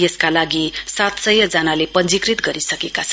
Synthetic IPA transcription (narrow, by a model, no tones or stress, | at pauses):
jeskalaɡisat̪sʌjʌd͡zanalepʌnd͡zikrit̪ɡʌɾisʌkekat͡sʰʌn